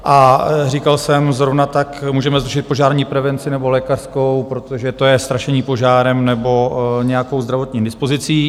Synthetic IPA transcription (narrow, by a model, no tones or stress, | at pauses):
ʔariːkalsɛmzɾovnat̪akmuːʒɛmɛzɾuʃɪt̪̚poʒaːɾɲiːpɾɛvɛnt͡sɪnɛbo̞lɛːkar̥sko̞wpɾo̞t̪oʒɛt̪o̞jɛst̪ɾaʃɛɲiːpo̞ʒaːɾɛmnɛbo̞ɲɛjako̞wzd̪ɾavo̞t̪ɲiːdɪspo̞zɪt͡siː